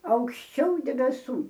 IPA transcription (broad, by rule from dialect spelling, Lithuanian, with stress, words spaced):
ɐʊkʃʲˈt͡ʃʲɛʊ dʲɛbʲɛˈsuː